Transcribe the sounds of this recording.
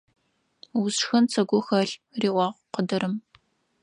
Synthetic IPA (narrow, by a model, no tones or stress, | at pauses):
wʊsxɐnt͡sʰɐɡʷʊxɐɬriːʔʷɑːʁʷqədɐɾɨm